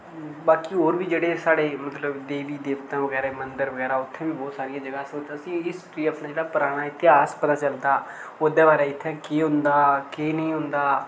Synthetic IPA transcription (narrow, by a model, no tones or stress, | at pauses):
baːkiːɦoːɾʋiːd͡ʒeːɽeːsaːɽeːmət̪ləbd̪eːʋiːd̪eːʋət̪ãːʋəɡɛːɾemənd̪əɾʋəɡɛːɾaːʊt̪ʰːẽːʋiːbɔːt̪saːɾɪjãːd͡ʒəɡaːsoːt̪ːəsĩːɪstiːəpnaːd͡ʒeːɽaːpʊɾaːɽ̃aːɪt̪ɪɦaːspət̪aːt͡ʃəld̪aːoːd̪eːbaːɾaːɪt̪ʰːɛ̃ːkeːɦʊ̃nd̪aːkeːnəĩːɦʊ̃nd̪aː